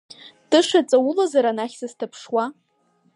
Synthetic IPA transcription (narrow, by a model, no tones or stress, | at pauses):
d̥ɨʂat͡sʼawʊlazaɾanaχʲsɨztʰapʰʂwa